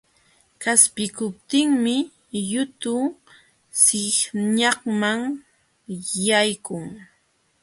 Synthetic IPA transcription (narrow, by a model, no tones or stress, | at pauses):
kaspɪkʊp̚t̪ɪŋmɪ | jʊt̪ʊ | sɪhɲɑχmaŋ | jajkʊŋ